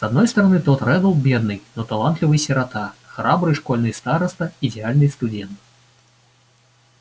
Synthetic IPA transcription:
z̥ad̪nɔjst̪ɐɾanɨt̪ɔt̪ɾɛd̪ɔlˠbʲɛd̪nɨjnɔt̪alˠant̪lʲivɨjsʲɛɾat̪axɾʔabɾɨjʂkɔlʲnɨjst̪aɾɐst̪ɐid̪ʲɛalʲnɨjst̪ud͡zʲɛnt̪

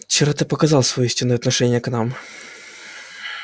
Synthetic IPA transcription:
t͡ɕɪɾat̪ɨpɐkɐzɑlˠsvɐjɔisʲtʲɪnːɨjɛɐt̪nɐʂɛnʲːɪjəknam

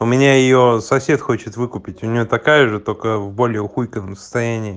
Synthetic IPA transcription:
ʊmʲɪnʲajɪjosɐfsʲe̞t̪xot͡ɕɪt̪vɨkʊpʲɪtʲʊnʲɪjo̞t̪ɐkajəʐɨt̪okəvbo̞lʲɪjəxujkənəmsə̥st̪ɐjænʲɪː

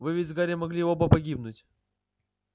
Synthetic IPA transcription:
vɨvʲetʲvɡaɾʲɪmɐɡlʲiobəpɐɡʲibnʊtʲ

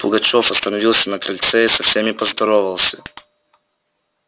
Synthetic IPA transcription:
pʊɡɐt͡ɕofɐst̪ənɐvʲilˠsʲənɐkɾɐlʲt̪sɛisɐfsʲemʲɪpəzd̪ɐɾovəlˠsʲə̥

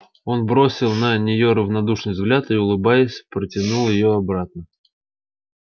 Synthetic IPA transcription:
o̞nbɾo̞sʲɪlˠnənʲɪjo̞ɾəvnɐd̪uʂnɨjvzɡlʲat̪ɨʊlˠɨbajɪsʲpɾətʲɪnulˠjɪjo̞ɐbɾat̪̚nə

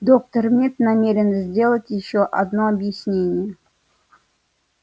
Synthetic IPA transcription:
d̪ok̚t̪ərmʲet̪namʲeɾʲɪnzʲdʲe̞lˠətʲjɪɕːoʔɐd̪noɐbjɪsʲnʲenʲɪjə

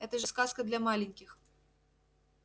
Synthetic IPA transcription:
ɛt̪ɐʐɨskaskɐd̪lʲɐmalʲɪnʲkʲix

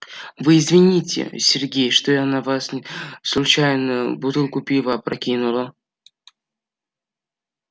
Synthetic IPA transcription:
vɨːzvʲɪnʲitʲɪ̰sʲɪrɡʲejʂt̪oanavasslˠʊt͡ɕajnəbʊt̪ɨlˠkʊpʲivapɾɐkʲinʊlˠə

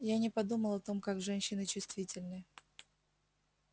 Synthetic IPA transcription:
janʲɪpɐd̪uməlˠɐt̪o̞mkaɡʐɛnʲɕːɪnɨt͡ɕʊst̪vʲitʲɪlʲnɨ

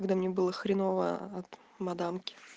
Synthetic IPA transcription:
ɐɡd̪amnʲebɨlˠəxɾʲɪnovə̰ɐt̪ | mɐd̪amkʲɪ̥

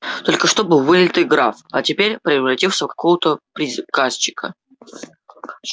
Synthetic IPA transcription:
t̪o̞lʲkəʂt̪o̞bɨvɨlʲlʲɪt̪ɨɡɾafɐtʲɪpʲeɾʲpɾʲɪɐvɾɐtʲifsʲəfkɐ̥ko̞vət̪əpɾʲɪzkast͡ɕɪ̥kʰə̰

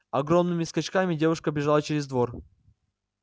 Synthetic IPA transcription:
ɐɡɾo̞mnɨmʲɪskɐt͡ɕkamʲɪdʲe̞vʊʂkəbʲɪʐalˠət͡ɕɪɾʲɪzd̪vo̞r

